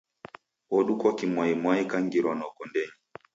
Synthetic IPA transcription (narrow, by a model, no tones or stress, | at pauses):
ɔɗukɔkimwaimwaikaŋɡiɾɔnɔkɔndɛɲi